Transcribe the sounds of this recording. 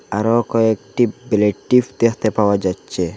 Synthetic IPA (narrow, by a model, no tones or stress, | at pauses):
aɾɔkɔek̚ʈibeleʈːifd̪ekʰt̪epawad͡ʒatːt͡ʃʰe